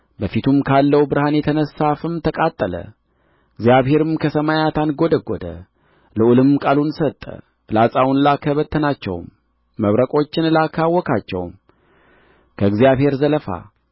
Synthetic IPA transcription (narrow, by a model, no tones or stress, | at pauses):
bəfit̪ʰumkʰalːəwbɨɾhanjɛt̪ʰənəsːafɨmt̪ʰəkʼat̪ʼːələ̰ | ɨɡzjaβhe̞ɾɨmkʰəsəmajat̪ʰanɡo̞d̪əɡod̪ə̰ | ləʔulɨmkʼalunsət̪ʼːə̰ | lasʼawnlakʰəβət̪ʰːənat͡ʃːɛ̰wmː | əβɾəkʼo̞t͡ʃːɪnlakʰawːɔkʰat͡ʃːɛ̰wm | kʰəɨɡzijaβhe̞ɾzələfa̰